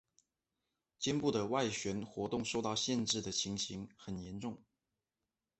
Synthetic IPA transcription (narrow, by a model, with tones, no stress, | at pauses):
t͡ɕjɛ˥npu˥˩d̪ə˩wa˥˩ɪɕɥɛ˧˥nxwɔ˧˥t̪ʊ˥˩˧ŋʂo˥˧ʊt̪ɑ˥˧ʊɕjɛ˥˧nʈ͡ʂɻ̩˥˩d̪ə˩t͡ɕʰi˧˥ŋɕi˧˥ŋxə˨˩njɛ˧˥nʈ͡ʂʊ˥˩ŋ